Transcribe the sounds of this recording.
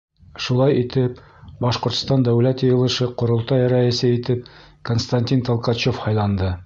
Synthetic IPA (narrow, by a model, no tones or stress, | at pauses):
ʃulˠɑjit̪ɘp̚ | bɒʃqŏɾt̪̆st̪ɑnd̪æwlæt̪jɤ̆jɤ̆lˠɤ̆ʃɤqŏɾŏlˠt̪ɑjɾæɘ̆sɘit̪ɘp̚ | konst̪anʲt̪ʲint̪olˠqɑt͡ɕofhɑjlˠɑnd̪ɤ